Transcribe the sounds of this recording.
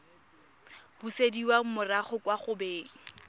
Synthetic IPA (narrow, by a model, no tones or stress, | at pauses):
b̥usediwaŋ̩mʊraχʊkwaχʊbeːŋ̩